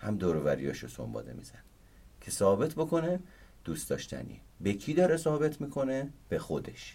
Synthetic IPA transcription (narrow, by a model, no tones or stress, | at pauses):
hæmd̪oːɾovæɾḭjɒːʃoso̰mbɒ̰d̪e̞̰mḭz̥æn | cʰe̞sɒːbe̞t̪ʰbo̞kʰo̞ne | d̪̥uːst̪d̪ɒːʃt̪ʰæ̰nḭebecʰiːd̪ɒːɾesɒːbe̞t̪ʰmiːkʰo̞neb̥e̞xo̞d̪e̞ʃ